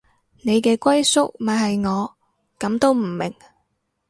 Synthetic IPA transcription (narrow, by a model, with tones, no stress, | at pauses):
ne˨˧jkɛː˧kʷɐ˥jsʊ˥k̚mɐ˨˥hɐ˨jŋɔː˨˧ | kɐ˨˥mt̪o˥wm̩˨˩mɪ˨˩ŋ